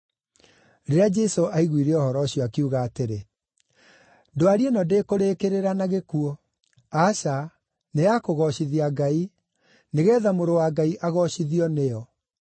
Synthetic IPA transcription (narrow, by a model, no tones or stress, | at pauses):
ɾeɾead͡ʒɛsoʔaiɣwiɾɛɔhɔɾɔɕiɔakiuɣaːteɾe | doaɾienɔdeːkoɾeːkeɾeɾanaɣekuɔ | aʃa | neakoɣɔɕiðiaɡai | neɣɛːðamoɾowaːɡaiʔaɣɔɕiðiɔneɔ